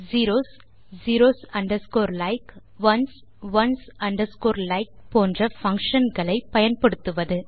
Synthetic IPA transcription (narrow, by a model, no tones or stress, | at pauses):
ziːɾoːs | ziːɾoːsɐɳɖɐskoːɾlɐɪk | ʋɐns | ʋɐnsɐɳɖɐskoːɾlɐɪk̚poːndrɐfɐŋkʂɐnɡɐɭɐɪpɐjɐnpɐɽɯt̪ːɯʋɐðɯ